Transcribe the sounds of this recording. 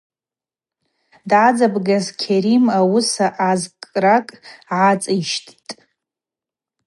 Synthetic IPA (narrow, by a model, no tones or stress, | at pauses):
dʕad͡zabɡazkʲʰeɾimawʊsaʔazkʼrakʼʕat͡sʼiʃtʰʼtʼ